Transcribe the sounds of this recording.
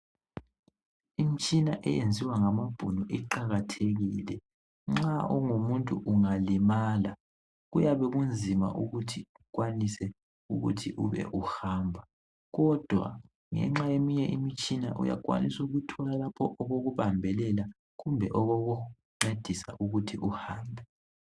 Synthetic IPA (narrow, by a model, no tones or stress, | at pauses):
imit͡ʃʼinaʔɛjend͡zʱiwaŋamab̥ʱunɔʔiǃaɣatʰeɣiːlɛ | ŋ͡ǁaʔɔŋumuntʼuʔuŋalimaːla | ɣujaβɛɣund͡zʱima̰ʔuɣutʰiukwanisɛ | uɣṵtʰiʔuβɛ̰ʔuhaːmbʱa | ɣɔd̥ʱwa̰ | ŋɛ̰ŋ͡ǁajemiɲɛʔimit͡ʃʼinaʔṵja̰k̬ʼwa̰nisuɣutʰɔlalapʰɔʔɔɣoɣuβambʱɛlɛla | ɣumbʱɛʔɔɣoɣu | ŋ͡ǀed̥ʱisa̰ʔuɣutʰiʔuhaːmbʱɛ